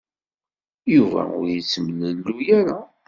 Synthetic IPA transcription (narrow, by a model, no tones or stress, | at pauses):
juvæ̰ʊ̰ɾjit͡sːəmənəlːujæɾa